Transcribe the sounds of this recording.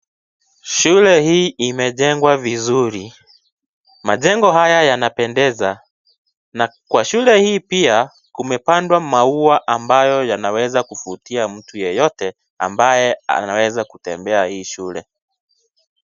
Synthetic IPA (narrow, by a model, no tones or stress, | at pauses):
ʃulɛhiːimɛʄɛŋɡwavizuɾi | maʄɛŋɡɔɦajajanapɛndɛza | nakwaʃulɛhiːpia | kumɛpandwamauaʔambajɔjanawɛzakufutiam̩tujɛjɔtɛ | a̰mbajɛa̰nawɛzakutɛmbɛahiːʃulɛ̰